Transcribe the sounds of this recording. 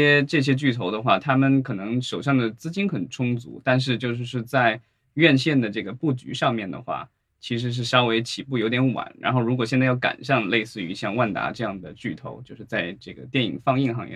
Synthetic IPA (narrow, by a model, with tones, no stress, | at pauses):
ɛ˥ʈ͡ʂɤ˥˩ɕ̬jɛ˥t͡ɕy˥˩t̪ʰo˧˥ʊd̪ə˧xwa˥˩t̪ʰa˥mə˨nkʰɤ˨˩nɤ˧˥ŋʂo˨˩ʊɕjɑ˥˩ŋd̪ə˩t͡sɹ̩˥t͡ɕi˥nxə˨˩nʈ͡ʂʰʊ˥ŋt͡sṵ˧˥t̪a˥˧nʂ̬ɻ̩˥˧t͡ɕjo˥˧ʊʂ̬ɻ̩˥˧ʂɻ̩˥˧t͡sa˥˧ɪ | ɥɛ˥˧nɕjɛ˥˩nd̪ə˩ʈ͡ʂɤ˥˩ɡə˩pu˥˩t͡ɕy̰˧˥ʂɑ˥˧ŋmjɛ˥˩nd̪ə̰˩xwa̰˥˩ | t͡ɕʰi˧˥ʂ̬ɻ̩˧˥ʂ̬ɻ̩˥˩ʂɑ˥ʊwe˧˥ɪt͡ɕʰi˨˩pu˥˩jo˧˥ʊt̪jɛ˧˥nwa̰˨˩˦nɻa̰˧˥nxo˥˩ʊɻu˧˥kwɔ˨˩ɕjɛ˥˧nt͡sjɑ˥˩ʊka̰˨˩nɕjɑ˥˧ŋle˥˧ɪsɹ̩˥˩y˧˥ɕjɑ˥˧ŋwa˥˩nt̪a̰˧˥ʈ͡ʂɤ˥˧jɑ˥˩ŋd̪ə˩t͡ɕy˥˩t̪ʰo̰˧˥ʊt͡ɕjo˥˧ʊʂɻ̩˥˧t͡sa˥˧ɪʈ͡ʂɤ˥˩ɡə̰˩t̪jɛ˥˩ni˨˩ŋfɑ˥˧ŋi˥˧nxɑ˥˧ŋjɛ̰˥˩